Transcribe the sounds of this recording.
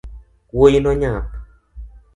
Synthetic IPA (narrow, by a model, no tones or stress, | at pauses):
wojinɔɲap